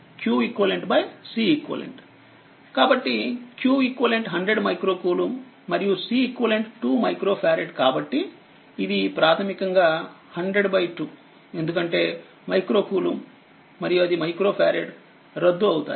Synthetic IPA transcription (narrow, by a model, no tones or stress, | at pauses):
kjuːikʋɐleɳʈbɐjsiːikʋɐ̰lḛɳʈ | kaːbɐʈːikjuːikʋɐleɳʈɦɐɳɖɾeɖmɐjkɾoːkuːlumː | ɐɾijusiːkʋɐleɳʈʈuːmɐjkɾo̞ːpʰjaːɾeɖkaːbɐʈːiː | d̪ipɾaːt̪ʰɐmikɐŋɡaː | hɐɳɖɾeɖbɐjʈːu | e̞nd̪ukɐɳʈe̞ː | mɐjkɾo̞ːkuːlumː | ɐɾijuɐd̪imɐjkɾo̞ːpʰja̰ːɾeɖ | ɾɐd̪ːuɐwut̪a̰ː